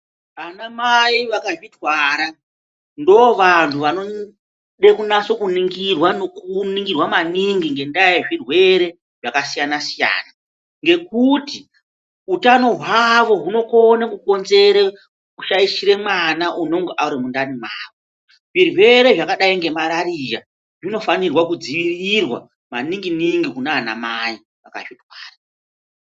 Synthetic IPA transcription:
anamaiʋakaʐidwaːɾa | ndoʋantʰuʋano | ɗekunaso̞kuniŋɡirwanokuniŋɡirwamaniŋɡiŋɡe̞ndajeʐirwe̞ɾe̞ | ʐ̥akasijanasija̰ːna | ŋɡe̞kuti | utano̞ɦwaʋo̞ɦuno̞konekuko̞nze̞ɾe | uʃaiʃiɾe̞mwanaʔuno̞ŋɡeʔauɾimundanimaːʋo | ʐirwe̞ɾe̞ʐakaɗaiŋɡe̞maɾaɾija | ʐino̞fanirwakud͡ziʋirirwa̰ | maniŋɡiniŋɡikunaːna̰mai | aka̰ʐitwaːra

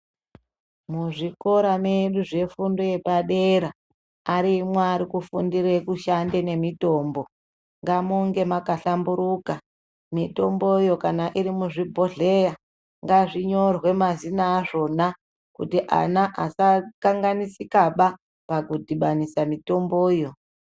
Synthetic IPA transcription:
muʐiko̞ɾameɗuʐe̞fundo̞je̞paɗeɾa | aɾimwaːɾikufundirekuʃande̞ne̞mito̞ːmbo̞ | ŋɡamuŋɡe̞makaɬambuɾuka | mito̞mbo̞jo̞kanaʔiɾimuʐibʱo̞ɮe̞ja | ŋɡaʐiɲo̞rwe̞mazinaːʐo̞na | kṵtiʔa̰naʔasakaŋɡanisikaɓa | pakudʱiɓanisamito̞mbo̞ːjo̞

